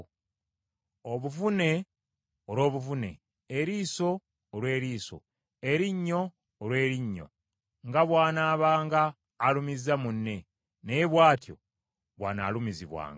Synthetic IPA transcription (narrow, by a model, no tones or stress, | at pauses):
oβuvune̞ | oɾo̞ːβuvune̞̰ː | ɾiːso̞ː | lwe̞ːɾiːso̞̰ | eɾiɲːo̞ː | lwe̞ːɾiɲːo̞̰ | ŋɡaβwaːnaːβaːŋɡaː | lumizamunːe̞ | neβwaːtjo̞̰ | βwa̰ːna̰ːlumiziβwa̰ːŋɡa